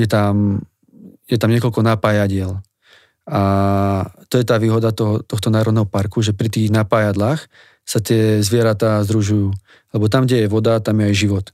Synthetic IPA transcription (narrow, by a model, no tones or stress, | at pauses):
jɛt̪am | jɛt̪amɲɪɛkɔlkɔnapaːjaɟɪɛl | ʔa | t̪ɔjɛt̪aːʋiːɦɔd̪at̪ɔɦɔt̪ɔxt̪ɔnaːɾɔd̪nɛɦɔpaɾkuʒɛpɾit̪iːɣnapaːjad̪laːx | sat̪ɪɛzʋɪɛɾat̪azd̪ɾuʒujuː | lɛbɔt̪amɡɟɛjɛʋɔd̪at̪amjɛajʒiʋɔt̪